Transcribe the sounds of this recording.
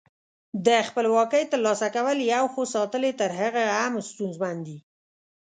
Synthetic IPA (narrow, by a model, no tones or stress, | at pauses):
d̪əxpəlwɑkəjt̪əɾlɑsakawəljawxosɑt̪əlet̪əɾɦaɣaamst̪unzmand̪i